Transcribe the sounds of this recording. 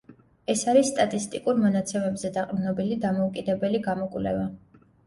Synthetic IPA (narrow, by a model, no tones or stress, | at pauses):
ɛsaɾisːt̪ʼat̪ʼist̪ʼikʼuɾmɔnat̪sʰɛmɛbzɛd̪aqʼdnɔbilid̪amɔukʼid̪ɛbɛliɡamɔkʼvlɛ̰va